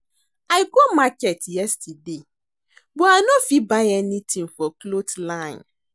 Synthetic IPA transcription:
aɪkomakɛtjɛstide | bɔanɔ̃fibaɪɛnĩtʰĩŋfɔklotlãɪ̃n

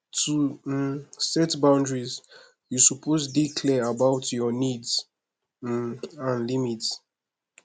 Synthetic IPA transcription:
tu | sɛtbãndɹiz | jusupʰozdikʰlɛabawtʰjɔnidz | ãnlimits

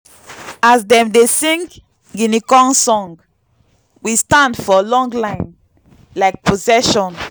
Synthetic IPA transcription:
azdɛ̃mdesĩŋk | ɡinikɔ̃ŋsɔ̃ŋɡ | wistãndfɔlɔ̃ŋɡlãɪ̃n | laɪk̚pʰozɛʃɔ̃n

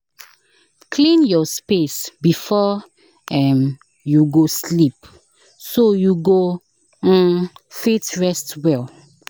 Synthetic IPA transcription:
kʰlĩnjɔspesbifɔ | ɛm | juɡoslip | sojuɡõ | fetɹɛstwɛl

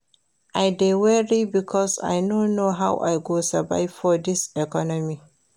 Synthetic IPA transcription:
ʔajdewɛɹibikʰɔsa̰jnonːoɦawʔa̰jɡosava̰ɪvfɔdɪsɛkɔnɔmi

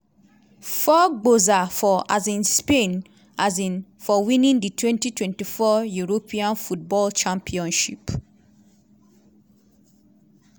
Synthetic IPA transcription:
fɔɡ͡bozafɔazĩnspen | azĩnfɔwĩnĩnditwɛ̃ntitwɛ̃ntifɔjuɹopʰĩãnfut̚bɔlt͡ʃãmpʰiɔ̃nʃip

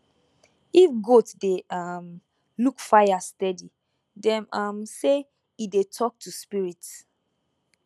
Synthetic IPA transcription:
ifɡotdeam | lukfajastɛdi | dɛ̃mamse | idetʰɔk̚tʰuspiɹit

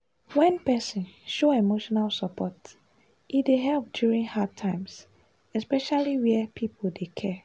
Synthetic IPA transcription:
wɛ̃npɛsĩnʃoemoʃɔnalsəpʰɔt | ideɦɛlp̚djuɹĩŋhatʰãɪ̃ms | ɛspɛʃaliwɛpʰipʰoldekʰɛ

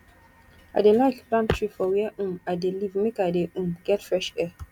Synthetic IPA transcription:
a̰delaɪkplãntʰɹifɔwɛʔũmadelivmekadeʔũmɡ̥ɛtfɹɛʃɛ

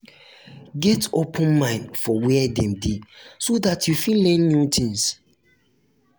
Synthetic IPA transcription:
ɡɛtopʰə̃nmãɪ̃ndfɔwɛɛdɛ̃mdisodatʰjufĩlɛ̃nːutʰĩŋs

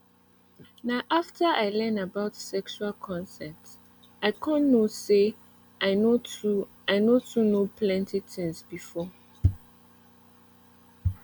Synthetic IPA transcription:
naʊʔaftʰəʔaɪlɛ̃nabaʊtsɛkʃualkʰɔ̃nsɛt | aɪkʰɔ̃nːose | ʔaɪnotu | aɪnotʰunopʰlɛ̃ntitʰĩŋsbifɔ

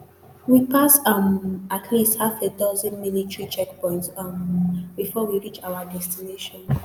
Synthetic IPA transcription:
wipasamatʰlisthafedɔzɔ̃nmilitɹit͡ʃɛk̚pɔ̃ɪ̃ntsmbifɔwiɹit͡ʃaʊadɛstineʃɔ̃n

